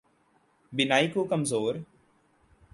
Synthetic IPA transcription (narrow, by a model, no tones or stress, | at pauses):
bɪnaːiːkuːkəmzoːɾ